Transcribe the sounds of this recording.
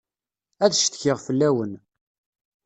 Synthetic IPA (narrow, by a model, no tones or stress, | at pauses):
æðʃt̪çɪʁfəlːæwən